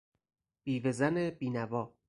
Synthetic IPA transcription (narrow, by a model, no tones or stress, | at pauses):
b̥iːvezænebiːnævɒː